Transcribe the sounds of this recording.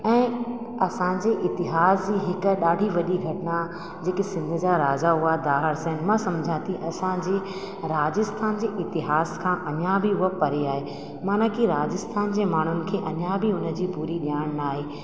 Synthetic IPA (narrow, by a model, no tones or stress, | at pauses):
ɛ̃ː | ɐsãd͡ʑeːʔɪt̪ɪɦaːsd͡ʑiːɦɪk̆ɗaːɖʱiʋɐɗiɡʱɐʈna | d͡ʑeːkesɪ̃nd̪ʱʊ̆d͡ʑaɾaːd͡ʑaɦuad̪aːɦəɾsɛ̃ɦn̆mãsɐmd͡ʑʱãt̪ʰiʔɐsãd͡ʑeː | ɾaːd͡ʑɪst̪ʰaːnd͡ʑeːʔɪt̪ɪɦaːskʰãːʔɐnjabʱiɦʊapɐɾeaːɦe | maːnakiɾaːd͡ʑɪst̪ʰaːnd͡ʑeːmaːɳ̤ʊnɪ̆kʰeːʔɐnjabʱiʊnə̆d͡ʑiːpuːɾiɗjaːɽ̃naːɦeː